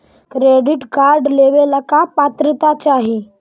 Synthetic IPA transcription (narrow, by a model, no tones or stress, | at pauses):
kɾeɖɪʈkaɾɖleʋeləkapat̪ɾət̪at͡ʃaɦi